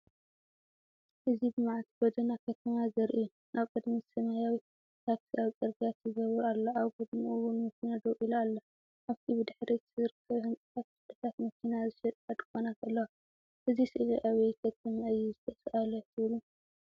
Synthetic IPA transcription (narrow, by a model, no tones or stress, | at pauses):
ʔɨzibɨmaʕat̪ʰib̥od̪ɐnakʰɐt̪ʰɐmazɐɾʔi | nʔaβkʼɨd̪misɐmajawi | t̪ʰaksʰiaβkʼɐɾɡʼijat̪zɨɡɐβɾalːɐʔaβkʼɨd̪miʔuwunmɐkʰinad̪ɐwʔilualːɐ | ʔaβt̪ʰibɨd̪ɨħɾit̪zɨɾɨkʰːɐβhɨnt͡sʼɨ̥t̪ʰat̪̚fɨd̪ɐt̪ʰat̪mɐkʰinazɨʃɐt̪ʼad̪ʼkʼonakʰʼɐlːɐwa | ʔɨzisɨʔliʔawikʰɐt̪ʰɐmaɨjːuzɨt̪ʰɐfʔalot̪ʰɨβɨlu